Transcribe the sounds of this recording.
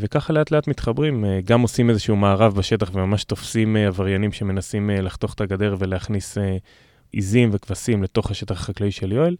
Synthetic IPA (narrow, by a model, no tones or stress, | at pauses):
ve̞kaχale̞atle̞at̪mit̪χabʁimɡamo̞simezeʃuumaːʁavbaʃe̞taχve̞mamaʃt̪o̞fsimavaʁjanimʃe̞me̞nasimlaχto̞χe̥t̪aɡade̞ʁve̞leaχnise | ḭzimve̞kvasimle̞t̪o̞χhaʃe̞t̪aχaχaklaiʃeljo̞el